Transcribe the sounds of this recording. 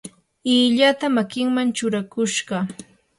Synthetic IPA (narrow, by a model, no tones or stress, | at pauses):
ɪʎat̪amakɪŋmant͡ʃʊɾakʊʃɢɑ